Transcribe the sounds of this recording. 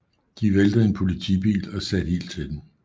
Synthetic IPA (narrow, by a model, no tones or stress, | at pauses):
d̥iʋeld̥ð̩ˠe̝npʰo̝lit͡sʰḭb̥ḭːlɒ̽sæd̥he̝̰ːld̥̚t͡sʰe̝d̥em